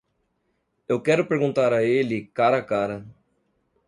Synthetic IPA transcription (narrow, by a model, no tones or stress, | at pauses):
ewkɛɾʊpeɾɡũnt̪aɾɐelikaːɾɐkaːɾɐ